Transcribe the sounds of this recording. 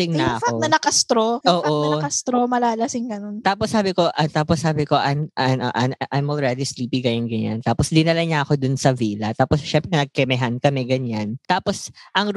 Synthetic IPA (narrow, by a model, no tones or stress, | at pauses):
ɪŋnɐʔɐkɐonɐnɐkɐst̪ɾooːʔokɐst̪ɾomɐlaːlɐsɪŋɡɐnont̪aːposːaːbɪko̞ʔɐt̪aːposːaːbɪko̞ʔɐjmʔɐno̰ʔɐʔɐjmʔolɹɛd̪isliːpɪɡɐjʊnɡɐɲa̰nt̪aːposd̪ɪnɐlɐɲaʔɐko̞d̪ʊnsɐviːlɐt̪aːposʃɛmpɾɛnɐɡ̚kɛmɛɦankɐmɛɡɐɲant̪aːposʔɐŋ